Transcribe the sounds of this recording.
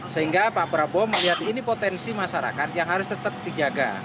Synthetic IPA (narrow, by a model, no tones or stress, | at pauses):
səɦiŋɡapabɾabɔməliɦat̪inipot̪ɛnsimaʃaɾa̰kat̪̚jaŋɦaɾʊst̪ət̪əp̚d̪id͡ʒaɡa̰